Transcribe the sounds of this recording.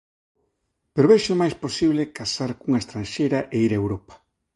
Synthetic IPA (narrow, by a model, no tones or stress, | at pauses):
peɾoβejʃʊmajsposiβlɪkasaɾkuŋaɐest̪ɾãnʃejɾaʔeiɾaewɾopḁ